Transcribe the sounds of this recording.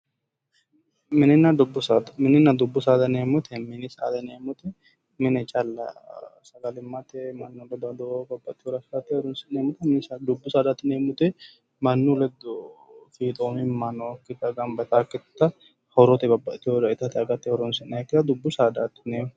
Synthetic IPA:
mɪnɪnːɐd̪ʊbːʊsad̪mɪnːɪnːɐd̪ʊbːʊsaːd̪ɐneːmʊt̪ʰɛmɪnɪsa̰ːd̪ɐneːmʊt̪ɛ | mɪnɛt͡ʃʼɐlːɐ̰sɐɡɐlɪmːɐt̪ɛmɐnːulɛd̪ɐd̪obɐbːɐt̪ːɪhod̪ɐsɐt̪ːɛɾɔnsɪneːmʊt̪ɛmɪɪsd̪ʊbːʊsaːd̪at̪ːɪneːmʊt̪ɛ | mɐnːulɛd̪fiːt̪ʼoːnɪmːanokːɪt̪ːɐɡɐnbɐt̪aːkːɪt̪ːɐ | hɔɾɔt̪ɛbɐbɐʔt̪ːɪjod̪ɐɪt̪ɐt̪ɛɐɡɐt̪ːɛhɔɾɔnsɪnɐjkːɪt̪ɐd̪ʊbːʊsaːd̪at̪ːɪ̥neːmʊ

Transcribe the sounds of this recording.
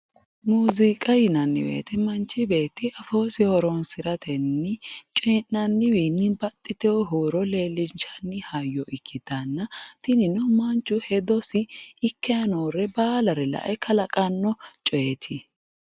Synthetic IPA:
muːzɪkʼɐjɪnɐnːɪ̰wḛːt̪ɛmɐnt͡ʃːɪbe̞ːt̪ːɪɐfoːsɪhɔɾɔnsɪɾɐt̪ʰɛnːɪt͡ʃʼɔnːɐnːɪwiːnːɪbɐt̪ʼːɪt̪ɛwɔɦoːɾɔle̞ːlːɪnt͡ʃɐnːɪhɐjːɔʔɪkʰːɪd̪̥ɐnːɐt̪ɪnɪnɔmɐnt͡ʃːʊhɛd̪ɔsɪːkːɛjɐnoːɾɛbaːlɐɾɛlɐ̰ʔɛkʰɐlɐkʼɐnːɔt͡ʃʼɔjɛt̪ʰɪ

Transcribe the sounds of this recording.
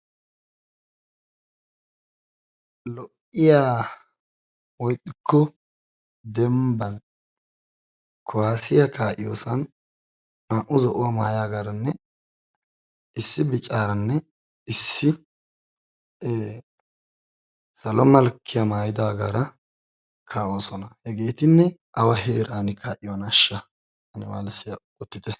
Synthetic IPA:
lɔʔɪjaː | wɔjt̪ʼːɪkʰːɔ | d̪ɛmbɐn | kʰɔwaːsɪjakaːʔɪjoːsɐn | naːʔʊzɔʔʊwama̰ːjaːɡaːɾɐnːɛ | ɪsːɪbɪt͡ʃʼːaːɾɐnːɛ | ɪsːɪ | sɐlɔmɐlkʰːɪjɐmaːjɪd̪aːɡa̰ːɾɐ | kʰaːʔoːsɔnɐhɛɡeːt̪ɪnːɛʔɐwɐheːɾʔaːnɪkʰaːʔɪjwɐnɐʃːɐ | hɐnɪma̰ːlɪsːɪjɐkʼɔt̪ːɪt̪ɛ

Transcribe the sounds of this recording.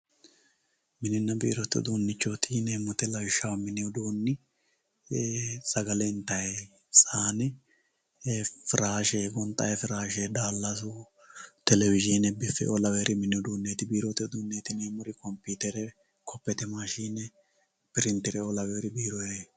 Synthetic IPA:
mɪnɪnːɐbḭːɾɔt̪ːɛ̰d̪uːnːɪt͡ʃːot̪ʰiːnɛmɔt̪ɛlɐwɪʃːɐwmɪnɪjɔd̪uːnːɪ | sɐɡɐlɛɪnt̪ːɐj | saːnɪ | fɪɾaːʃeːɡɔnt̪ʼɐ̰jɛfɪɾaːʃɛd̪aːlːasʊ | t̪ɛlɛvɪʒɪnɛbɪfɛ̰ʔɔlɐweːɾʔɪmɪnɪjɔd̪uːnːeːt̪ɪbiːɾɔt̪ːɛd̪uːnːeːt̪ɪneːmʊɾɪkɔmpːiːt̪ɛɾɛ | kʰɔpːɛt̪ɛmaːʃiːnɛ | pɪɾɪnt̪ɪɾɛɔlɐweːɾɪbiːɾɔje

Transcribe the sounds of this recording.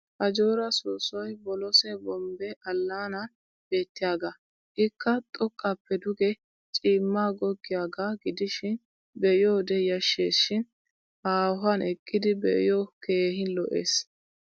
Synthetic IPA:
ʔɐd͡ʒoːɾɐsuːsɔjbɔlɔsɛbɔmbɛʔɐlːaːnɐn | b̥eːt̪ːɪjaːɡa | ʔɪkʰːɐt̪ʼɔkʼːɐpːɛd̪ʊɡɛ | t͡ʃʼiːmːaːɡɔɡːɪjaːɡaɡɪd̪ɪʃɪn | bɛjoːd̪ɛjɐʃːeːsʃɪn | haːɦanʔɛkʼːɪd̪ɪbɛ̰joke̞ːhɪnlɔ̰ʔḛːs

